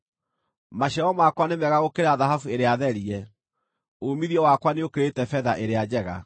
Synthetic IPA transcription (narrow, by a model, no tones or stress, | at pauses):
maɕɛɔmakwanemɛɣaɣokeɾaðaɦafueɾeaðɛɾiɛ | omiðiɔwakwaneokeɾetɛfɛðaʔeɾead͡ʑɛɣa̰